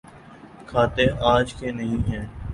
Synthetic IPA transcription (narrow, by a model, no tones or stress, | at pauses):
kʰaːt̪eːʔaːd͡ʒkenəɦĩɦɛː